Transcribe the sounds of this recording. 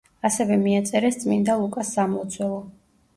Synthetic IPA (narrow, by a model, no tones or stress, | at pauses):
asɛvɛmiat̪sʼɛɾɛst̪sʼmind̪alˠukʼasːamɔt̪sʰwɛlˠɔ